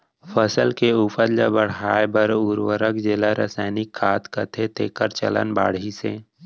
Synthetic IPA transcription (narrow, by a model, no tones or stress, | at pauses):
pʰəsəlkeupəɾlə̰bəɽ̤aːebəɾuɾwəɾəkd͡ʒelaɾa̰saːɪnɪkʰːaːt̪kət̪ʰet̪ʰekəɾt͡ʃə̰lə̰nba̰ːɽisḛ